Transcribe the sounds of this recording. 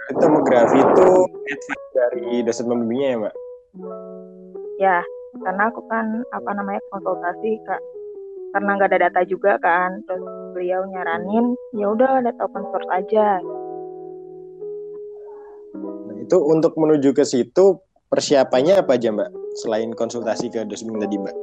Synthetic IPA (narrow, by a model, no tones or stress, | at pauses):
it̪emoɡɾafit̪uɛt̪fak̚daɾidasat̪̚məməbiɲajamaʔ | jakarnaːkukanapanamaɲakɔnsɔlt̪asikaʔkarənaŋɡaʔdadat̪ad͡ʒuɡakant̪ɾʊsbəliawɲaɾanɪmjaudadat̪aukɔnsɔrt̪ad͡ʒa | nait̪uunt̪ʊk̚mənud͡ʒukəsit̪u | pərsiapaɲaːpad͡ʒambaʔsəlaɪnkɔnsult̪asikədosəmt̪adimbaʔ